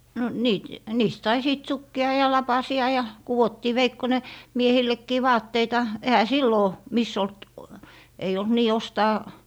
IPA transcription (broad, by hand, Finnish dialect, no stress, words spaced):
no no niːt niːst sɑi siˑt sukːiɑ jɑ lɑpɑsiɑ jɑ kuwotːiː ʋeikːone miehilːekːiː ʋɑːtːeitɑ ehæ silːoˑ misː olt ei olt niː ostɑː